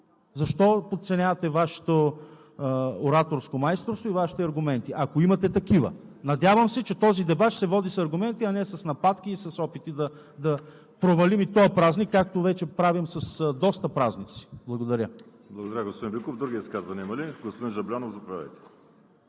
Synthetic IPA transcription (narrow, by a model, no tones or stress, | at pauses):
zɐʃt̪ɔpot̪t̪sɛnʲjavɐt̪ɛvaʃɛ̥t̪o | ɾat̪oɾskomajst̪ɾost̪voivaʃi̥t̪ɛɐɾɡʊmɛnt̪iʔɐkoimɐt̪ɛt̪ɐkivə̰nɐd̪ʲjavɐmsɛt͡ʃɛt̪ɔzid̪ɛbat̪sɛvɔd̪isɐɾɡʊmɛnt̪iɐnɛsɐsnɐpat̪kiːsɐsɔpit̪id̪ɐ | d̪ɐ | pɾovɐlimit̪ɔjpɾaznikːak̚t̪ovɛt͡ʃɛpɾavimsɐsd̪ɔst̪ɐpɾaznit̪si̥blˠɐɡod̪ɐɾʲə | blˠɐɡod̪ɐɾʲaɡospod̪inbikovd̪ɾuɡʲiiskazvɐniɛimɐliɡospod̪inʒɐblʲanofzɐpɾavʲɛ̰jt̪ɛ̥